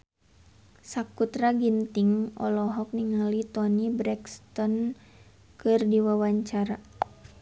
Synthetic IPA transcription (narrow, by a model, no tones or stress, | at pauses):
sakut̪ɾaɡint̪iŋɔ̰lɔɦɔk̚niŋalit̪ɔnibɾɛkst̪ɔn | kɨrdiwawaɲt͡ʃaɾa